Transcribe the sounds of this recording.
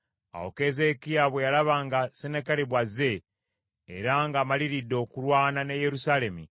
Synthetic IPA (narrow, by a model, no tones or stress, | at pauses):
a̰wo̰ke̞ze̞kijaβwe̞jalaβaːŋɡasenekaleβwaze̞ː | ɾaŋɡaːmaliɾidːo̞ːkulwaːnaneje̞ɾusaːle̞mi